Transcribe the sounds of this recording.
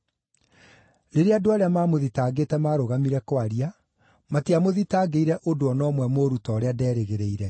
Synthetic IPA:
ɾeɾeadoaɾeamaːmoðitaːɡeːtɛmaɾoɣamiɾɛkwaɾia | matiamoðitaːɡeiɾɛʔodoɔnɔmwɛmoɾutɔːɾeadɛːɾeɣeɾeiɾɛ

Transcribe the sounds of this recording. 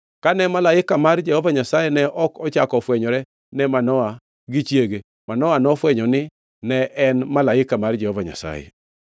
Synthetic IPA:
kanɛmalaɪkamard͡ʒɛhovaɲasajɛnɛʔɔkɔt͡ʃakɔfwɛɲɔɾɛ | nɛmanɔa | ɡɪt͡ʃjeɡe | manɔanɔfwɛɲɔnɪ | nɛʔɛnmalaɪkamard͡ʒɛhovaɲa̰sa̰jɛ̰

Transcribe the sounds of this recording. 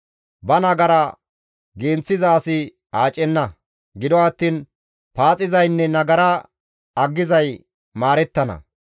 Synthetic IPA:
bɐnɐɡɐɾɐ | ɡeːnt͡sːɪzaːsɪ | aːt͡ʃʼɛnːɐ | ɡɪd̪ɔɐt̪ːiːn | paːt͡sʼɪzɐjnːɛnɐɡɐɾɐ | ɐɡːɪzɐj | maːɾɛt̪ːɐnɐ̰

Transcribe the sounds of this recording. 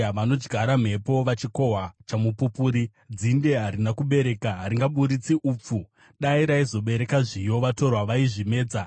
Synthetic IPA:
ʋano̞d͡ʒɡʱaɾam̤e̞po̞ʋat͡ʃiko̞ɦat͡ʃamupupuːɾi | d͡zinde̞ɦaɾinakuɓe̞ɾe̞kaɦaɾiŋɡaɓuɾit͡siʔuːp͡fu | ɗaiɾaizo̞ɓe̞ɾe̞kaʐijo̞ʋato̞rwaʋaiʐime̞ːd͡za

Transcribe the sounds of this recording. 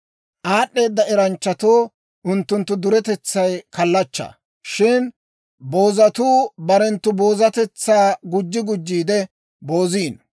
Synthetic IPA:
ʔaːɗːe̞ːd̪ːɐɛɾɐnt͡ʃːɐt̪oː | ʔʊnt̪ːʊnt̪ːʊd̪ʊɾɛt̪ɛt͡sːɐjkɐlːɐt͡ʃːɐ̰ | ʃɪn | bo̞ːzɐt̪uːbɐɾɛnt̪ːʊbo̞ːzɐt̪ɛt͡sːaːɡʊd͡ʒːɪɡʊd͡ʒːiːd̪ɛ | bo̞ːziːn

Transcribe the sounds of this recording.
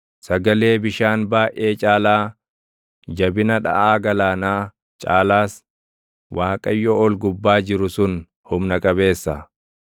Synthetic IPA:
sɐɡɐle̞ːbɪʃaːnbaːʔeːt͡ʃʼaːlaː | d͡ʒɐbɪnɐᶑɐ̰ʔaːɡɐlaːnaː | t͡ʃʼa̰ːlaːs | wʔaːkʼɐjːɔɔlɡʊbːaːd͡ʒɪɾʊsʊn | hʊmnɐkʼɐbe̞ːsːɐ

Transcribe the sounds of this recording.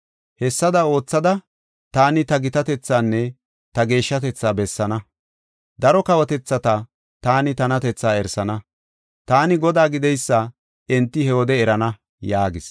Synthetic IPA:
hɛsːɐd̪ɐo̞ːt͡sːɐd̪ɐ | t̪aːnɪt̪ɐɡɪt̪ɐt̪ɛt͡sːaːnːɛ | t̪ɐɡe̞ːʃːɐt̪ɛt͡sːaːbɛsːɐnɐ | d̪ɐɾɔkɐwɔt̪ɛt͡sːɐt̪ɐ | t̪aːnɪt̪ɐnɐt̪ɛt͡sːaːɛɾsɐnɐ | t̪aːnɪɡɔd̪aːɡɪd̪ɛjsːɐ | ɛnt̪ːɪhɛwɔd̪ɛːɾɐnɐ | jaːɡɪs

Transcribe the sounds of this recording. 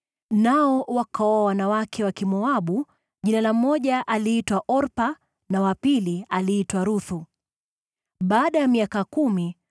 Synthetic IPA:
naɔwakaɔawanawakʰɛwakimɔaɓu | ʄinalam̩mɔʄaʔaliitwaʔɔɾpa | nawapilialiːtwaɾuθu | ɓaːɗajamiakakumi

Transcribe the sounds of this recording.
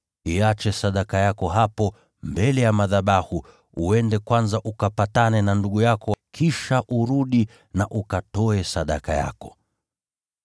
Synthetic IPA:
iat͡ʃɛsaɗakajakɔɦapɔ | mbɛlɛjamaðaɓahu | uɛndɛkwanzaʔukapatanɛnanduɠujakɔkʰiʃaʔuɾuɗi | naʔukatɔɛsaɗaka̰ja̰kɔ̥

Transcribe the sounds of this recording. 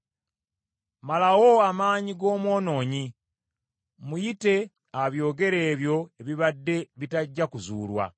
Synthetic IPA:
malawo̞amaːɲiɡo̞ːmwo̞ːno̞ːɲi | mujite̞ | aβjo̞ːɡe̞ɾe̞ːβjo̞eβiβadːe̞βitaɟːakuzuːlwa̰

